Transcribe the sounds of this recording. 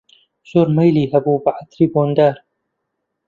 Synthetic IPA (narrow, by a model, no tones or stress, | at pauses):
zoːɾmajliːɦɐbuːbaʕat̪ɾiːboːnd̪aːɾ